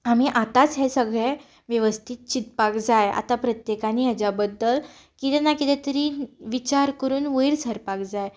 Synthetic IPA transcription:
am̤iʔat̪at͡sɦesəɡɭe | ʋjəʋəst̪ʰit̪̚t͡ɕit̪pakd͡zaja̰t̪apɾət̪jekaniɦat͡ɕabəd̪ːəl | kit̪ɛnakit̪ɛt̪əɾiʋit͡ɕaɾkəɾuːnʋəiɽsʰəɾpakd͡zaj

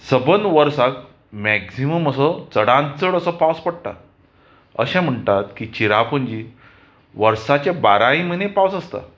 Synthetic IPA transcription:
səbənʋəɾsak | mɛksiməməsət͡səɽãnt͡səɽəsəpawspəɽʈ̪a̰ | ə̰ɕɛ̃m̤əɳʈat̪kit͡ɕiɾapəɲd͡ʑi | ʋəɾsat͡ɕabaɾaĩm̤ənepawsəst̪a̰

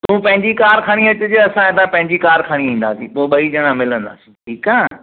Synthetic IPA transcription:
t̪ũːpɐ̃ɦɪ̃ɲd͡ʑikaːɾkʰaːɽ̃iʋɐt͡ɕʊd͡ʑeɐsãet̪ãpɐ̃ɦɪ̃ɲd͡ʑikaːɾkʰaːɽ̃iʋĩːn̆d̪aːsipoːɓɐid͡ʑɐɽ̃ãmɪlə̃nd̪a̰ːsĩʈʰiːkaː

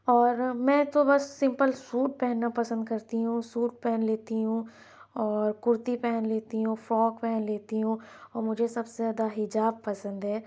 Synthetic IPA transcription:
ɔːɾmɛ̃ːt̪obɐsːɪ̃mpəlsuːʈ̚pɛɦnːapɐsə̃nd̪̚kɐɾt̪iɦũsuːʈ̚pɛɦɛnleːt̪iɦũ | ɔːɾkʊɾt̪ipɛɦənleːt̪iɦũfɔːkpɛɦɛnleːt̪iɦũɔːɾmʊd͡ʒʱesɐbsezaːd̪aɦɪd͡ʒaːb̚pɐsə̃nd̪ɦɛː

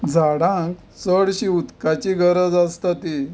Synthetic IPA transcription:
d͡zʱaɽãŋk | səɽɕiut̪kat͡ɕiɡʱəɾəd͡zast̪at̪i

